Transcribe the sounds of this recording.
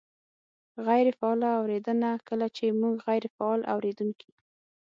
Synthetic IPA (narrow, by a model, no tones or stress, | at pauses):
ɣajɾefaɑlaːwɾed̪ənakəlat͡ʃemuɡɣajɾfaɑlʔa̰wɾed̪unki